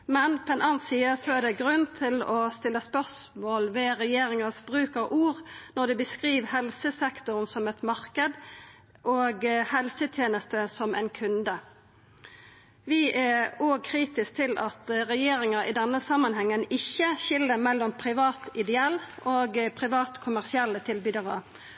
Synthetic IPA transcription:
mɛnpʰɔɛnɑːnnsiːəsɔæʁd̪ɛɡɾʉnt̪ʰɪlɔst̪ɪlːəspœʁsmoːlʋɛʁɛjeːʁɪŋəsbʁʉːkəʁʔuːʁnɔʁd̪ɛbəskʁiːʋhɛlsəsɛkt̪ʊʁnsɔmɛt̪mɑʁkəd̪ | ʔoːɡhɛlsət̪ʰjeːnəst̪əsɔmæ̰ɪnkʰʉnd̪ə | ʋɪæoːɡ̚kʰʁiːt̪ɪsk̚t̪ʰɪlʔɑt̪ʁɛjeːɾɪŋəɾɪ̰d̪ɛnːəsɑmːənhɛŋːənɪçːəʃɪlːəmɛlːɔmpʰɾɪʋɑːt̪ɪd̪ɛɛlːʔoːɡpʰɾɪʋɑːt̪kʰʊmæʁsɪɛlːət̪ʰɪlbyːd̪əʁə

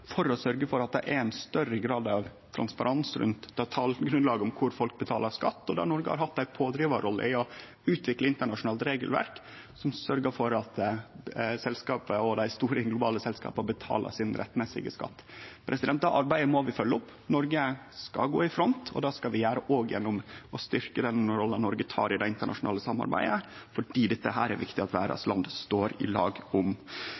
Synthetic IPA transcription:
fɔɾɔsœɾɡəfɔɾɑt̪̚d̪ɛ̰ʔæɾænst̪œɾəɡɾɑːd̪ɑʋt̪ʰɾɑ̰nspɑɾʔɑnsɾʉ̰nt̪d̪ɑt̪ʰɑːləɡɾʉnlɑːɡəɔmkʰʊɾfɔlk̚bət̪ʰɑːləskɑt̪ːɔd̪æ̰nɔɾɡəhɑ̰ɾhɑt̪ːæɪpʰoːd̪ɾiːʋəɾɔlːə̰ɪɔ | ʉːt̪ʰʋɪkləɪnt̪əɳɑʂʊnɑːlt̪ɾeːɡəlʋæ̰ɾk | sɔmsœɾɡəfɔɾɑt̪ | sɛlskɑːpəɔd̪æɪst̪uːɾəɡlʊbɑːləsɛlskɑ̰ːpəbət̪ʰɑ̰ːlə̰sɪnɾʔɛ̰t̪ːmɛsɪ̰ɡə̰skɑ̰t̪ːpʰɾʔɛsɪd̪ɛnt̪d̪ɑʔɑɾbæɪd̪əmɔʋɪfœlːəʊpː | nɔɾɡəskɑ̰ɡoːɪfɾɔnt̪ʰɔ̰d̪ɑːskɑʋɪjæːɾəʔoːɡjɛ̰nːʊmɔst̪ʏɾkəd̪ɛnɾɔlənɔɾɡət̪ʰɑ̰ːɾɪd̪æɪɪnt̪əɳʔɑ̰ʂʊnɑːləsɑmːɑ̰ɾbæ̰ɪd̪ə | fɔɖiːd̪ɛt̪ːəɦæːɾæɾʋɪkt̪ɪɑt̪ʋæ̰ːɾɑ̰slɑnd̪st̪oːɾɪ̰lɑ̰ːɡʊm

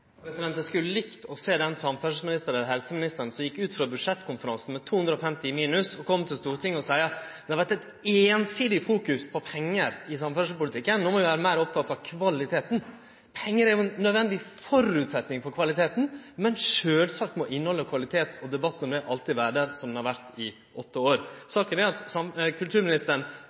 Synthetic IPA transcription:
pʰɾɛsɪd̪ɛnt̪əskʉlːəlɪkt̪ɔseːd̪ɛnsɑmfœʂəmɪnɪst̪əɾɛlɦɛlsəmɪnɪst̪əɾn̩sɔmjɪkːʉːt̪fɾɑbʉd̪ʂɛt̪ːkʰʊnfəɾɑnsn̩mɛt̪ʰuːʉnd̪ɾəɔfɛmt̪ɪmiːnʉsɔkʰɔmːt̪ʰɪlst̪uːɾʈ̪ʰɪŋːɔsæɪɑd̪ɛhɑʋæɾʈ̪ːɛt̪ | eːnsiːd̪ɪfuːkʉspʰɔpʰɛŋːəɾɪsɑmfœʂəpʊlɪt̪ʰɪkːənnoːmɔʋɪʋæːɾəmæɪɾɔp̚t̪ʰɑt̪ːɑʋkʰʋɑlɪt̪ʰeːt̪n̩ | pʰɛŋːəɾæɾjʊɛnːœd̪ʋɛnd̪ɪfɔɾʉːt̪sɛt̪nɪŋfɔɾkʰʋɑlɪt̪ʰeːt̪n̩mɛnʂøːlsɑk̚t̪mɔʔɪnːəhɔlːəkʰʋɑlɪt̪ʰeːt̪ʰɔd̪ɛbɑt̪ːnɔmd̪ɛʔɑlt̪ɪʋæːɾɖəɾsɔmd̪ɛnhɑɾʋæɾt̪ɪ | ʔɔt̪ːəoːɾsɑːkənæɾɑt̪sɑkʰʉlt̪ʰʉːɾmɪnɪst̪əɳ

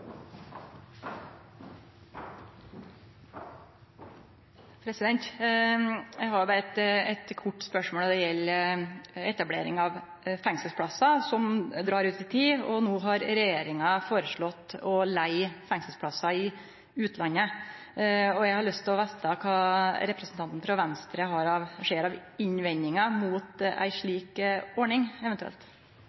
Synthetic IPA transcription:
pʰɾɛsɪd̪ɛnt̪ | jæɪhɑɾjʊbɑːɾəɛt̪ɛt̪kʰʊʈːspœʂmoːld̪ɛjɛlː | ɛt̪ɑblḛːɾɪŋɑʋ | fɛŋsəspʰɽɑsɑsɔmd̪ɾɑːɾʉːt̪ɪt̪ʰiːɔnuːɦɑɾɾɛjeːɾɪŋɑfoːɾəʂɭɔt̪ːɔlæɪfɛŋsəl̩spʰlɑsːɑɪ | ʉːt̪lɑnːə | ɔjæɪɡhɑɾɭœst̪ʰɪlɔʋɛst̪ɑkʰɑːɾɛpɾɛsənɑnt̪n̩fɾɑʋɛnst̪ɾəɦɑɾɑʋʂeːɾɑʋɪɲʋɛnːɪŋɑmuːt̪æ̰ɪʂɭiːkɔɳɪŋɛʋɛnt̪ʉɛ̰lt̪

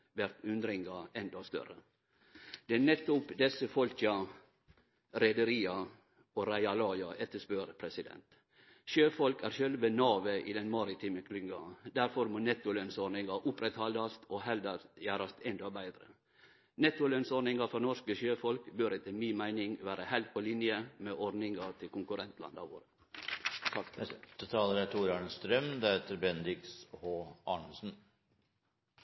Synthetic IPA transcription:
ʋæɾt̪ʉnd̪ɾɪŋɡɑɛnd̪ɑst̪œ̰ɾə | d̪̥ɛnɛt̪ːʊpd̪ɛsəfɔlçɑ | ɾɛd̪əɾiːɑ | oɾæɪɑlɑːjɑʔɛt̪ːəʂpøɾpʰɾɛsɪd̪ɛ̰nt̪ | ʃøːfɔlkæːɾçœlʋənɑːʋəʔḭd̪ɛnmɑɾɪt̪ʰiːməkʰlʏŋɡɑd̪æɾfɔɾmoːnɛt̪ːʊlœnsɔɾɳɪŋɑʔʊpɾɛt̪hɑld̪ɑst̪ʰoːɦɛld̪ɑjæːɾɑst̪ɛnd̪obæɪd̪ɾə̰ | nɛt̪ːʊlœnsɔɾnɪŋɑfɔɾnɔʂkəʃøːfɔlkbøɾət̪ʰɪmiːnmæɪnɪŋʋæːɾəhæɪlt̪̚pʰɔlɪnjəmeːʔɔɾnɪŋɑt̪ʰɪlkʊŋkʉɾɛnt̪ʰlɑ̰nd̪ɑ̰ʋo̰ːɾə | sɑkt̪t̪ʰɑːləɾæt̪ʰuːɾɑːɳəst̪ɾœmd̪ɛheːt̪əɾbɛnɾɪkshoːɑːɳsn̩

